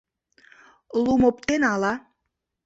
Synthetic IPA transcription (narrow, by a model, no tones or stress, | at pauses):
lumop̚t̪enɑlɑ